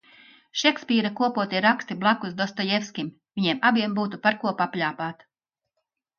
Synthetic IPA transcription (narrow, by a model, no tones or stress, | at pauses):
ʃɛkspʲiːɾakuɔpuɔt̪iɾakst̪iblˠakuzd̪ɔst̪ɔjefskʲim | vʲiɲiɛmabiɛmbuːt̪upaɾkuɔpaplʲaːpaːt̪